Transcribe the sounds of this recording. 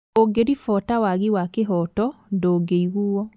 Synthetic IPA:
oɡeɾifɔtawaɣiwakeɦɔtɔndoːɡeiɣuɔ

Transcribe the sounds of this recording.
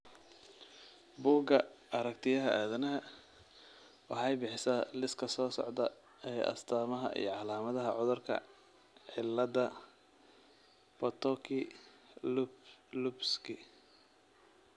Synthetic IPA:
buːɡɐɐɾɐkt̪ʰɪjɐɦɐʔaːðɐnɐɦɐ | wɑħɑjbɪħɪsalɪskʰɐsɔːsɔ̰ʕd̪ɐ | ɛːjʔɐ̰st̪ʰaːmɐɦɐ̰ʔḭjɞʕɑlaːmɐðɐɦɐ̰ʕʊðʊrkʰɐ̰ | ħɪlːɐd̪ɐ | pɔt̪ʰɔkʰɪ | lubskʰɪ

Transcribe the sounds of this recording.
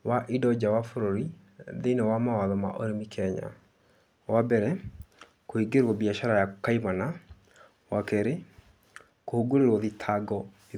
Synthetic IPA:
waʔidɔd͡ʑawafoɾoɾi | ðenewamawaðɔma̰ʔoɾemikʰɛɲa̰ | wabɛɾɛ | koiɡeɾwɔbiaʃaɾajakaimana | wakɛɾe | kohoɡoɾeɾwɔðitʰaɡɔði

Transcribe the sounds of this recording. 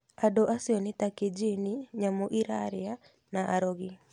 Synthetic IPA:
adoʔasiɔnetaked͡ʒiniɲamoʔiɾaɾea | naʔa̰ɾoɣi

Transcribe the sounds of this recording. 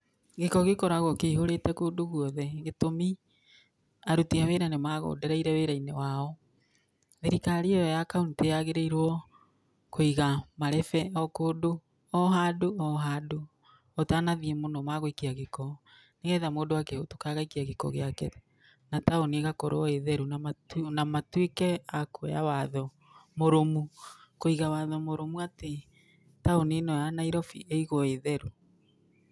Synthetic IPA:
ɣekɔɣekɔɾaɣɔkeihoɾetɛkoːdoɣuɔðɛɣetomi | aɾutiaweɾanemaɣo̰ːdɛɾaiɾɛweɾainewaːɔ | ðeɾikaɾiɔɔjakaoniteaɣeɾeiɾwɔ | koiɣamaɾɛfɛɔkoːdo | ɔɦadoɔɦado | ɔtaːnaðiɛmonɔmaɣoikiaɣekɔ | neɣɛðamoːdowakɛoto̥kaɣaikiaɣekɔ̰ɣeakɛðɛ | nataoniɣakoɾoɔeðɛɾunaanamatwikɛakoawaðɔ | moɾomukoiɣawaðɔmoɾomuate | taonenɔjanaiɾɔfḭʔeiɣɔeðɛɾu

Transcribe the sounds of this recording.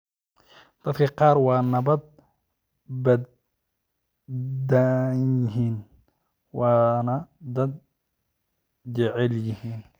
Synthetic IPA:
d̪̥ɐd̪kʰɐqɑːɾwɑːnɐbɐd̪̚ | bɐd̪ | d̪ajɪɦiːn | wɑːnɐd̪ɐd̪̚ | d͡ʒɛʕɛljɪhiːn

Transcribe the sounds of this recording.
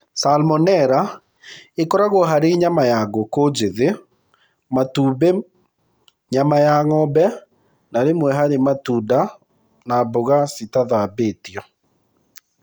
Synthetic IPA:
salmɔnɛɾa | ekɔɾaɣoɦaɾeɲamajaɡokod͡ʒeðe | matuːbe | ɲamajaŋɔbɛ | naɾemwɛɦaɾematuːda | naboɣasitaðabetiɔ

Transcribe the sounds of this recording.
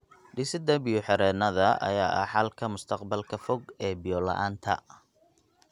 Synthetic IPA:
ɖɪsɪd̪ɐbɪjɔħɛɾɛːnɐðɐɐ̰jaːʔɐ̰ħɑlkʰɐmʊst̪ʰɐqbɐlkʰɐfɔɡɛːbɪjɔlɐ̰ʔaːnt̪ʰɐ̰

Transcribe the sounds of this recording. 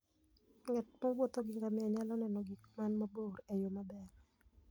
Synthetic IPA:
ŋɛt̚mowot̪oɡiŋɡamɪaɲalɔnɛnɔɡikmanmaboɾejomabɛr

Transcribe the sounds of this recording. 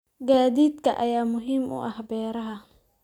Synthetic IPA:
ɡaːðiːd̪kʰɐʔɐjaːmʊɦiːmʊ̰ʔɐhbɛːɾɐɦɐ

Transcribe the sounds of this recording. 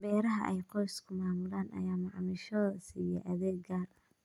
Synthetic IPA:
bɛːɾɐɦɐʔɛjqɔjskʰʊmaːmʊlaːnʔɐ̰jaːmɑʕmɪʃɔsijɛ̰ʔɐðɛːɡɡaːr

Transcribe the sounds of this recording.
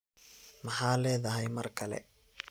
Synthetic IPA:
mɑħaːlɛːðɐɦɛjmɐrkʰɐlɛ̰

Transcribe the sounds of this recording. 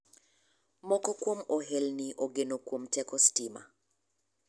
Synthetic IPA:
mɔkɔkwomɔɦelniʔoɡenokwomtɛkɔstima̰

